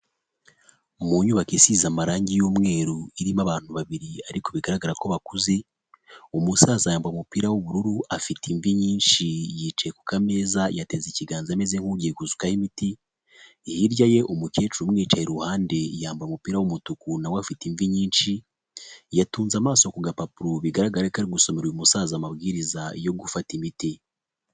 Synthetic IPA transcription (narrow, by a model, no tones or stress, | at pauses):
muɲuβakisizamaɾaːɲɟijoːmŋe̞ːɾuiɾimaβaːn̥huβaβiɾiaɾiko̞βiɡaɾaɡaɾako̞βakuze | umusaːzajaːmbamupiːɾawuβuɾuɾuafitʰiɱviɲiːnʃijiːt͡ʃajekukame̞ːzajate̞ziciɡaːnzamezeŋ̥huɾɟekuzukahimitiː | hiɾɟaje̞ʔumuke̞ːt͡ʃuumŋiːt͡ʃaheɾuhaːnde̞jaːmbamupiːɾawumutukunawafitiɱviɲiːnʃi | jatuːnzamaːso̞kuɡapapuɾoβiɡaɾaɡaɾakaɾiɡuso̞meɾumusaːzamaβɡiːɾizajo̞ɡufatimiti